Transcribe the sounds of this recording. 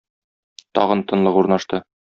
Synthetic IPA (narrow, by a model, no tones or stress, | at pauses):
t̪ɒ̰ʁɤ̆nt̪ɤ̆nlˠɤquɾnɑʃt̪ɤ